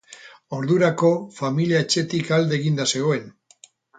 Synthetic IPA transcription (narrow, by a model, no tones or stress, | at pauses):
o̞ɾðuɾako̞familiaet͡ʃe̞t̪ikald̪e̞ɣind̪ase̞ɣ̞o̞e̞n